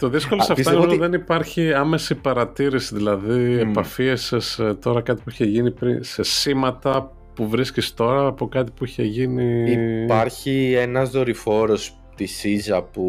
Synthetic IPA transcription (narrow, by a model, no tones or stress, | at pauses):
t̪oðiskolossɐfisoinðenipɐɾçiɐmesipɐɾɐt̪iɾisiðilɐðiepɐfiesst̪o̞ɾɐkɐt̪i̥puiçeʝinipɾise̞simɐt̪ɐ | puvɾiscist̪o̞ɾɐːpo̞kɐt̪i̥puiçe̞ʝiniipɐɾçie̞nɐzðo̞ɾifo̞ɾo̞s | t̪isizɐpu